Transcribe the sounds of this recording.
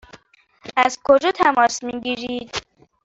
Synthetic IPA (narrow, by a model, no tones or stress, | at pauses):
æzkʰod͡ʒɒt̪ʰæmɒːsmiɡiːɾiːd̪̥